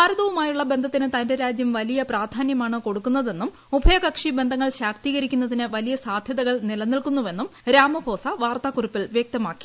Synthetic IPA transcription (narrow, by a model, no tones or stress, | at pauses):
aːɾɐðɐʋumaːjuɭːɐbe̞nd̪ʱɐt̪ːinɨt̪ɐndeɾaːd͡ʑjɐmʋɐlijɐpraːd̪ʱaːnjɐmaːɳɨko̞ɽukːunːɐðe̞nːum | ubʱɐjɐkɐkʂibe̞nd̪ʱɐŋːɐɭɕaːk̚t̪iːɣɐɾikʲːunːɐðinɨʋɐlijɐsaːd̪ʱjɐðɐɣɐɭnilɐnːilkunːuʋe̞nːumɾaːmɐbʱo̞ːsɐʋaːrt̪aːkuripːilʋjek̚t̪ɐmaːkːi̥